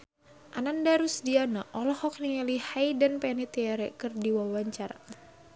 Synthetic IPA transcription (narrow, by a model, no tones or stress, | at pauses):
ʔanandaɾusdianaʔɔlɔhɔk̚niŋalihajdanpɛnit̪iaɾɛkɨrdiwawaɲt͡ʃaɾa̰